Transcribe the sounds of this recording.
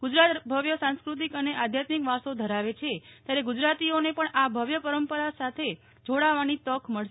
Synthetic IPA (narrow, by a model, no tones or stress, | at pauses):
ɡ̥ud͡ʒɾat̪bʱəʋjəsãnskɾut̪̬ikəneʔad̪ʱjat̪mikʋasod̪ʱəɾaʋet͡ʃʰet̪jaɾeɡud͡ʒɾat̪ionepəɳabʱəʋjəpəɾəmpəɾasat̪ʰe | d͡ʒoɽaʋanit̪ɔkʰməɭʃ